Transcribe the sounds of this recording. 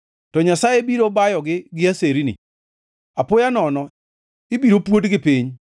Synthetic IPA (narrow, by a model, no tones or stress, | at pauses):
tɔɲasajebiɾobajɔɡɪɡɪaseɾinɪ̰ | apʊjanɔnɔ | ɪbiɾopwotɡɪpiɲ